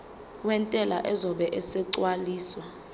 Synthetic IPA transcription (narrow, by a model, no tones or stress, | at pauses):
wɛntʼɛla̰ʔɛzɔɓɛʔɛsɛǀwaliːswa